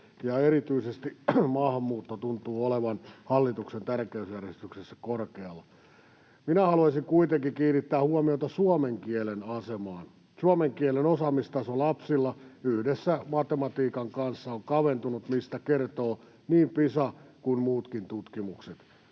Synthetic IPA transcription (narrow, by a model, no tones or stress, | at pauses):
jɑeɾit̪yisest̪imɑhmːˑuːt̪ːot̪unt̪uːoleʋɑnhɑlːit̪uksent̪ærkeysjærjest̪yksesːæ̥korkeɑlːɑ | minæhɑluɑisiŋkuit̪eŋkikiːnit̪ːæːhuɑmiot̪ɑsuɑmeŋkielenɑsemɑːn | suɑmeŋkielenosɑmist̪ɑsolɑpsilːɑyhdesːæmɑt̪emɑt̪iːkɑŋkɑnsːɑoŋkɑʋent̪unut̪mist̪ækert̪oː | niːmpisɑkunmuːt̪kint̪ut̪kimukset̪